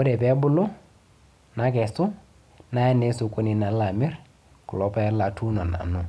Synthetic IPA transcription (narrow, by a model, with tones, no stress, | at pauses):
kʊ˦dɛ˨bɛ˦bʊ˦lʊ˦ | na˨˦k̬ɛ˨sʊ˦ | na˦ɛ˦ne˦so˨ko˦ni˨na˨˦la˨mɪ˦ɾ | kʊ˨lɔ˨˦pa˦la˨tʰu˦nɔ˨na̰˨nʊ˨